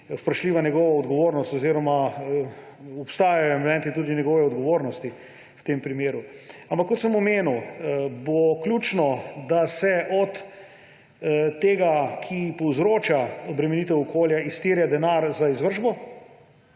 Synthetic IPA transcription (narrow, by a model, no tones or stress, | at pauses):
spɾəʃliːʋanʲɛɡɔʋaɔd̪ɡɔʋoːɾnɔst̪ɔziːɾɔma | ɔpst̪aːjajɔɛmlɛ̃nt̪it̪uːd̪injɛɡɔʋɛɔd̪ɡɔʋoːɾnɔst̪i | wt̪empɾimeːɾuampakːɔt̪səmɔmeːnuwboklʲjuːt͡ʃnɔd̪asɛʔɔt̪ | eːɡakʰipɔwzɾoːt͡ʃaɔbɾɛmɛnit̪ɛwɔkʰoːljaist̪iːɾjad̪ɛnaɾzaizʋəɾʒbɔ